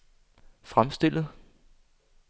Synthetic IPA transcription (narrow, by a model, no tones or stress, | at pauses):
fʁamsd̥e̝l̰ð̩ˠ